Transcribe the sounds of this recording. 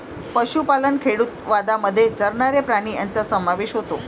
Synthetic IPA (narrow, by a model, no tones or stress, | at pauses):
pəɕupalənkʰeɽuːt̪ʋad̪aməd̪ʱːjet͡səɾɳaɾepɾaɽ̃iːjant͡sasəmaʋeɕɦot̪o